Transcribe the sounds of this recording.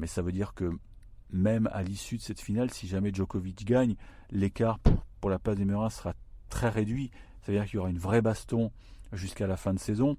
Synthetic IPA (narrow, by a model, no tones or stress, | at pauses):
mɛsavød̪iʁkə | mɛma̰lisyd̪əsɛt̪finalsiʒamɛʒɔkɔvit͡ʃɡaɲ | lekaʁpuʁpuʁlaplazd̪emøʁɛ̃sə̥ʁat̪χɛʁed̪ɥisavød̪iːʁkiljɔʁaynvʁɛbast̪ɔ̃ | ʒyskalafɛ̃d̪əsezɔ̃